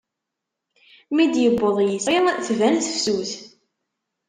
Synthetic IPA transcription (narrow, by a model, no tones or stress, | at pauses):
mid̪jəbːoðˤjəsiθvænθfsuθ